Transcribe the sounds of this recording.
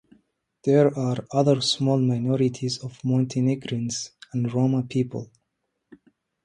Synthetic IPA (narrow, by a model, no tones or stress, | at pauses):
ðɛɹaɹʌðəɹsmɔlˠmaɪnɔɹitʰizɔvmɔ̃ntʰeniɡɹĩnzæ̃ndɹomapʰipʰə̰lˠ